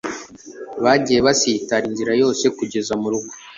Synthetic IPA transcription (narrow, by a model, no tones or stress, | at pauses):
βaɟije̞βasitaɾinziɾajo̞ːse̞kuɟe̞zamuɾuɡo